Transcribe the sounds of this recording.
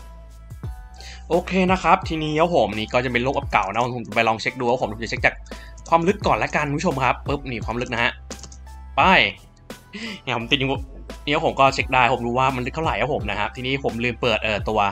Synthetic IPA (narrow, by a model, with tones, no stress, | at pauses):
ʔoː˧kʰeː˧na˦˥kʰɾa˦˥p̚t̪ʰiː˧niː˦˥˩ja˦˥˩wpo˨˩˦mniː˦˩kɔː˥˩t͡ɕa˨˩pe˧nloː˥˩k̚ʔa˨˩p̚ka̰˨˩wna˦˥pʰːpʰo˩˦t͡ɕpa˧lɔː˧ŋt͡ɕʰe˦˥k̚duː˧ʔwho˨˩˦mpʰːa˨˩t͡ɕʰe˦˥k̚t͡ɕaː˨˩k̚ʰwaː˧mlɯ˦˥kːɔː˨˩nlɛ˦˥ka˧nkpʰo˧mkʰa˦˥pːɤ˦˥p̚niː˨˩˦kʰwaː˧mlɯ˦˥k̚na˦˥hʰa˦˥ʔ | pa˥˩j | ɛː˧˩pʰo˨˩˦mt̪i˨˩u˧˩niː˧˦a˧˥whmkɔː˥˩t͡ɕʰe˦˥k̚daː˥˩jpo˩˦mduː˧waː˥˩ma˧nlɯ˦k̚t̪ʰɾa˨˩jʔaː˦˥whʰo˩˦mna˦˥kʰa˦˥p̚t̪ʰiː˧niː˦˥˩pʰo˩˦mlɯː˧mpɤː˨˩t̪̚ʔɤː˨˩t̪u˧ɐ